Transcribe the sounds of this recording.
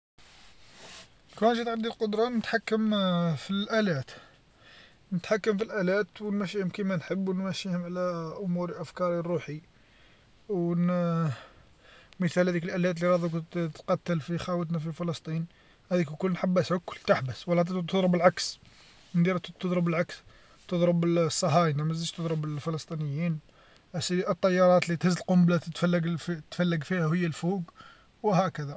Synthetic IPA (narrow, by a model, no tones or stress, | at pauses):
kænʃit̪ʕad̪ːilqʊd̪ɾˤɑnət̪ħakːəmfilʔælæt̪ | nət̪ħakːəmfilʔælæt̪wnmæʃiʊmkimænħəbːwnmæʃihʊmʕlæʔʊmuɾʔæfkɑɾˤirːuħi | wwn | məθælhæd̪ikəlʔælæt̪liɾˤɑd̪ˤukʊqɑt̪ːəlfixæwət̪̬næfifəlɑst̪ˤin | hæd̪ikkʊlːnħabːæsəkːʊlt̪aħbəswəlːæt̪t̪ːəd̪ˤɾˤəbəlʕaks | mənd̪iɾæt̪ːəd̪ˤɾˤəbəlʕaks | t̪əd̪ˤɾˤəbəsˤːɑɦɑjnæmzəd͡ʒt̪əd̪ˤɾˤəbəlfələst̪ˤinəjːin | æsbiʔət̪ˤːɑjːɑɾˤɑt̪lit̪həzːəlqʊmblæt̪ət̪fælːəɡfit̪fælːəɡfihæhəjːælfuɡ | whækəd̪æ